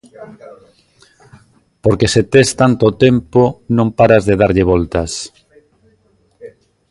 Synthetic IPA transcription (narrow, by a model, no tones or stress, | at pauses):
poɾkeset̪est̪ant̪ot̪emponõmpaɾazðeð̞aɾʎɪβɔlt̪as